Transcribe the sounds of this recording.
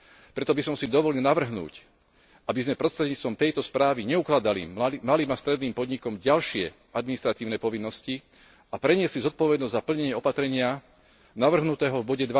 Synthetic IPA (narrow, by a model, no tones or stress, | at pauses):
pɾɛt̪ɔbisɔmsid̪ɔʋɔlilnaʋr̩ɦnṵːc | ʔabizmɛpɾɔst̪ɾɛd̪ɲiːt͡st̪ʋɔmt̪ɛjt̪ɔspɾaːʋiɲɛuklad̪alḭmaliːmast̪ɾɛd̪niːmpɔd̪ɲikɔmɟalʃɪɛ | ad̪minist̪ɾat̪iːʊnɛpɔʋinːɔsci | apɾɛɲɪɛslizɔt̪̚pɔʋɛd̪nɔzʲzapl̩ɲɛɲɪɛɔpat̪ɾɛɲɪa | naʋr̩ɦnut̪ɛːɦɔvbɔɟɛd̪ʋa